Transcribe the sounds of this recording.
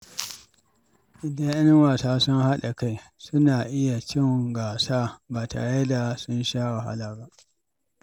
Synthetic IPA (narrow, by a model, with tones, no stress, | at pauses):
ʔɪ˨da˦ʔa˦nɪ˦ŋwaː˨saː˦sʊ˦ŋha˦ɗa˨ka˦jsʊ˦naː˨ʔɪ˦ja˨t͡ʃɪ˦ŋɡaː˨saː˦baː˨ta̰˨je˦da˨sʊ˦nʃaː˦wa˨ha̰˦laː˨ba˦ʔ